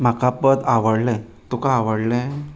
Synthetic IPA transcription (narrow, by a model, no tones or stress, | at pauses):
m̤akapəd̪aʋəɽlɛ | t̪ukaaʋəɽlɛ̃